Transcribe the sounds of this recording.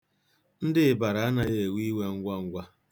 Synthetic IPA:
n̩˦dɪ˦˨ba˨ɾa˨a˦na˦je˨wi˦we˦ŋ̩˦ɡʷa˦ŋ̩˦ɡʷa˦

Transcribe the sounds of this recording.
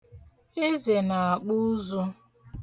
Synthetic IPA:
e˦ze˨na˨a˨k͡pu˦zu˦

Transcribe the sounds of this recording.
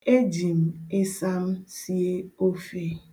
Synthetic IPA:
e˦d͡ʒi˨m̩˨e˦sa˦m̩˦si˦e˦o˦fe˦

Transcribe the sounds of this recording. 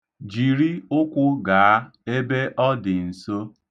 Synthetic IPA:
d͡ʒi˨ɾi˦ʊ˦kʷʊ˦ɡa˨a˦e˦be˦ʔɔ˦dɪ˨n̩˨so˦

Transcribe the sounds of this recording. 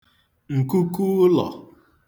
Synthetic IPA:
ŋ̩˨ku˦ku˦lɔ̰˨

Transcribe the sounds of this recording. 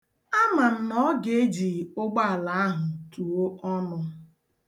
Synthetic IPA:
a˦ma˨m̩˦nɔ˦ɡe˦e˦d͡ʒi˨ʊ˦ɡ͡ba˦a˨la˨a˦ɦʊ˨tu˨o˦ʔɔ˦nʊ˦

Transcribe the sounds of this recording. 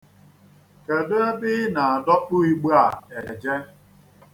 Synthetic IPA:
ke˨do˦e˦bɪ˦na˨a˨dɔ˦k͡pʊ˦i˦ɡ͡bu˦a˨e˨d͡ʒe˦

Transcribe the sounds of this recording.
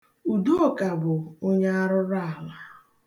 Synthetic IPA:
u˨du˦o˦ka˨bʊ˨o˦ɲa˦a˦ɾʊ˦ɾa˦a˨la˦˨

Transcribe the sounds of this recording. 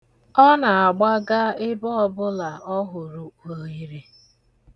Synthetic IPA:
ɔ˦na˨a˨ɡ͡ba˦ɡa˦ɪ˦bɔ˦ɔ˦bʊ˦la˨ɔ˦ɦʊ˨ɾʊ˨o˨i˦ɾe˦

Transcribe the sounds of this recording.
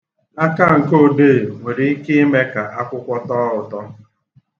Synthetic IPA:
a˦ka˦˨ŋ̩˨ko˦˨de˦˨ŋʷe˨ɾi˨i˦kɪ˦i˦me˦ka˨ʔa˦kʷʊ˦kʷɔ˦tɔ˦ʊ˨tɔ˦

